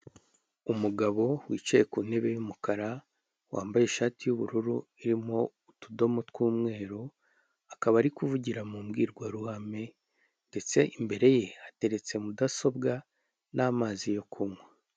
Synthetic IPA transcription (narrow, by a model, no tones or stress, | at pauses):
umuɡaβo̞wiːt͡ʃaje̞kuːne̞βe̞jumukaɾa | wa̰ːmbajeʃaːtijuβuɾuɾu | iɾimo̞ | utudo̞motkwuːmŋe̞ːɾo | akaβaɾikuvuɟiɾamuːmɡiːɾɡwaɾuhame̞ | nde̞t͡se̞ʔimbe̞ɾe̞je̞ate̞ɾe̞t͡se̞mudaso̞bɡa | naːmaːzijo̞kʰumwe